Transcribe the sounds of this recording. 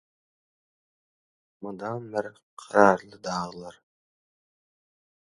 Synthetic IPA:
mund̪ɑnbɪɾqʰɑɾɑɾlˠɯd̪ɑːʁlˠɑɾ

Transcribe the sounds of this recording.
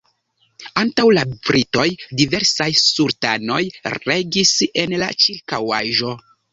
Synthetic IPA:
antawlabɾito̞jdive̞ɾsajsuɾtano̞jɾe̞ɡise̞nla̰t͡ʃiɾkawaʒo̞

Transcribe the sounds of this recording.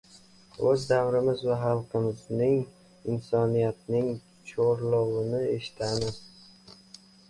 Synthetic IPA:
ɵzd̪awɾɪmɪzvaχɑlˠqʰɨmɪznɪŋ | ɪnsɒnijat̪̚nɪŋ | t͡ʃʰoɾlˠɒwɪnɪe̞ʃɪ̥t̪ʰamɪz̥

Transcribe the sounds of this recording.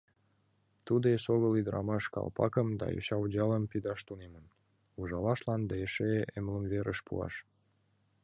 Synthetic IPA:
t̪ud̪esoɣəlid̪əɾʔɑ̰mɑʃkɑ̰lpɑ̰kəmd̪ɑ̰jo̰ɕɑwd͡ʑɑləmpid̪ɑʃt̪unemən | uʒɑlɑʃlɑnd̪ɑeʃeemləmveɾʔəʃpṵɑ̰ʃ

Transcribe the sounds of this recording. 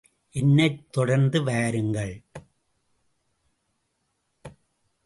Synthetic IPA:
ʔɛnːɐɪt̪ːɔɽɐɾnd̪ɯʋeːɾɯŋɡɐɭ

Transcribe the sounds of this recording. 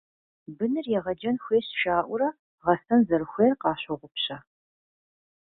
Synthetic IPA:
bɨnɨrjɛʁɐd͡ʒɐnxʷeːɕʃaːʔʷʊɾɐ | ʁɐstɐnzɐrxʷeːrqɑːɕʷɐʁʷʊpɕɐ

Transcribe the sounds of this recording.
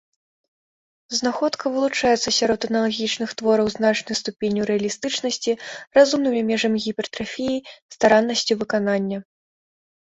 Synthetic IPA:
znaxɔt̪kɐvɨlˠut͡ʂajɛt̪sːɐsʲaɾɔt̪ɐnɐlˠaɣʲit͡ʂnɨxt̪vɔɾɐwzn̪at͡ʂnɨjst̪upʲenʲuɾɛɐlʲist̪ɨt͡ʂnɐsʲt͡sʲirazumnɨmʲimʲɛʐɐmʲɣʲipʲɛrt̪ɾafʲijist̪aɾanːɐsʲt͡sʲuvɨkananʲːɐ

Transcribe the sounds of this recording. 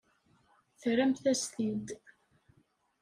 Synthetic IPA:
θɾæmθæst̪id̪

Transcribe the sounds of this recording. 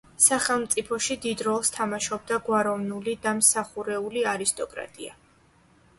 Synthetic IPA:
saχɛlˠmt̪sʼipʰɔʃid̪id̪ɾɔlˠst̪ʰamaʃɔb̚d̪aɡwaɾɔvnulid̪amsaχuɾɛuliaɾist̪ʼɔkʼɾa̰t̪ʼḭa̰

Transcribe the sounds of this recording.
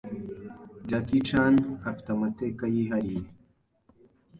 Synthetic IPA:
d͡ʑakiʈ͡ʂʰaːnɐft̪ɐmɐt̪ekajiɦɐɾi

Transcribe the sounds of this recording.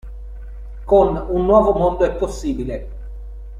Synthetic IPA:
konunːwɔːvomond̪oɛpːosːiːbile

